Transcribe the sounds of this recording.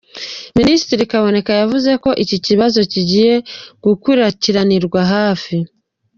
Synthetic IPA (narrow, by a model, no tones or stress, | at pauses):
ministiɾikaβo̞ne̞kajavuze̞ko̞ʔiciciβazo̞ciɟije̞ɡ̥ukwiɾaciɾaniɾɡwaɦaːfi